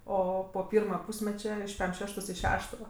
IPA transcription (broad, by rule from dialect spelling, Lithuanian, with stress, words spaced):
ˈoː poː ˈpʲiːrmɐ ˈpuːsʲmʲɛt͡ʃʲɛ ɪʃ pʲɛm ˈʃʲæːʃtoːs ɪ ˈʃʲæːʃtoː